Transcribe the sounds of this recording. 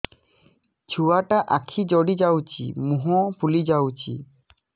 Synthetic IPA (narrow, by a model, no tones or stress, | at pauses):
t͡ɕʰuaʈaʔakʰid͡ʑɔɽid͡ʑawt͡ɕḭmuɦɔpulid͡ʑawt͡ɕḭ